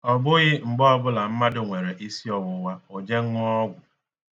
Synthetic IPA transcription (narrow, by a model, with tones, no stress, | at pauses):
ɔ˨bʊ˦ɣɪ˦ŋ͡m̩˨ɡ͡bɔ˦ɔ˦bʊ˦la˨m̩˦ma˦dʊ˨ŋʷe˨ɾe˨ʔi˦si˦ɔ˨wʊ˨˦wa˦o˨d͡ʒe˦ŋ̩˦ŋɔ˦ɔ˦ɡʷʊ˨